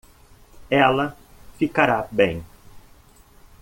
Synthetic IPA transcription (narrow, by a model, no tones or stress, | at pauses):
ɛlɐfikaɾabẽj̃